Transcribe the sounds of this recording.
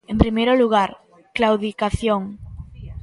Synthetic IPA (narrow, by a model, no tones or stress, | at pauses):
ẽmpɾimejɾoluɣ̞aɾ | klawðikaθjoŋ